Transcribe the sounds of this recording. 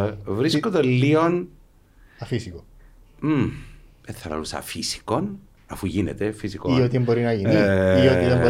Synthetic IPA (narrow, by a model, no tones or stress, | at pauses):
vɾiskod̪ɐlːion | ɐfisiko | m̩ | eθːɐlɐ̰lusɐ̰fisi̥ko̞n | ɐfuʝinet̪efisikoiot̪iembo̞ɾinɐʝiiioiðebo